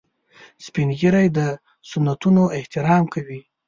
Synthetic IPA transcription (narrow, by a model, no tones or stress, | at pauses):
spinɡiɾajd̪ə | sʊnːat̪unoɪht̪ɪɾɑmkawi